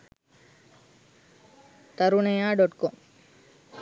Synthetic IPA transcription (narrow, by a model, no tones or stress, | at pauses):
t̪ɐɾuɳɐjaːɖoʈkom